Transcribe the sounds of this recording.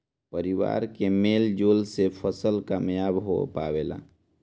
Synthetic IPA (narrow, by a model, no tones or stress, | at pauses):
pəɾiʋa̰ɾkemeld͡ʒolsepʰəsəlkaːmjabɦo̰pa̰bela̰